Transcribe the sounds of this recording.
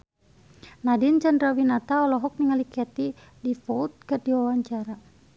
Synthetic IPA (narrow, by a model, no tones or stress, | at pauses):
nadint͡ʃandɾawinat̪aɔlɔɦɔk̚niŋalikɛt̪i | difɔut̪̚kɨrdiwawaɲt͡ʃaɾa